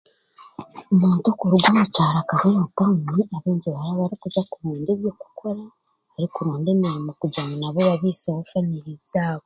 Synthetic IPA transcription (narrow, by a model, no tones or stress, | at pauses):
omuːntokuɾuɡwamucaːɾakazeβatamiaβeːɲɟiβaɾaβaɾikuzakuɾuːndeβjo̞ku̥kʰo̞ɾa | aɾikuɾuːndemeɾimukuɟamunaβoβaβiːsohofaniɾizaːβo